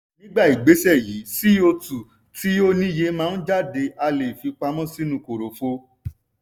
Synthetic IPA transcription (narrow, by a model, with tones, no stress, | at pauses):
nĩ˦ɡ͡ba˦˨i˨ɡ͡be˨˦sɛ˦˨ji˨˦si˦o˧tu˨ | ti˨˦o˦nĩ˦je˧˦mãː˦˧n̩˦d͡ʒa˦˨de˧a˧le˨fi˧k͡pa˧mɔ̃˦si˦nũ˧˦˨ko˨ɾo˨fo˧˦